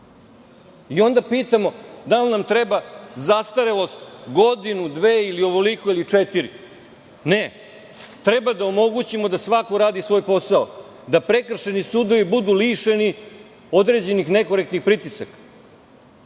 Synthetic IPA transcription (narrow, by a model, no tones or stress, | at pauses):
io̞nd̪apiːt̪amo̞d̪alnamt̪ɾebazast̪aɾelo̞st̪ɡo̞d̪inud̪ʋeːilio̞ʋo̞liko̞ilit͡ʂet̪iɾi | ne | t̪ɾe̞bad̪aomo̞ɡut͡ɕimo̞d̪asʋako̞ɾaːd̪isʋo̞ːjpo̞sao | d̪apɾe̞kr̩ʃe̞nisuːd̪o̞ʋibud̪uliːʃe̞ni | o̞d̪ɾe̞ːd͡ʑe̞nixne̞ko̞ɾekt̪nixpɾit̪isakḁ